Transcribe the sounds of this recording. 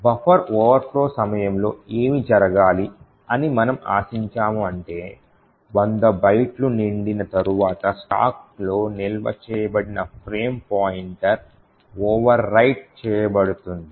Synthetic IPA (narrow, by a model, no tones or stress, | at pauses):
bɐpɐɾɔːʋɐɾpʰlo̞ːsɐmɐjɐmlo̞ːeːmid͡ʒɐɾɐɡaːli | ɐnimɐnɐma̰ːsiɲt͡ʃaːmuɐɳʈe̞ː | ʋɐnd̪ɐbɐjʈluniɳɖinɐt̪ɐɾuʋaːt̪ɐsʈa̰ːk̚lo̞ːnilʋɐ̰t͡ʃɛːjɐbɐɽinɐpʰɾeːmpaːjiɳʈɐɾ | ɔːʋɐɾːɐjʈ̚t͡ʃɛːjɐbɐɽut̪und̪i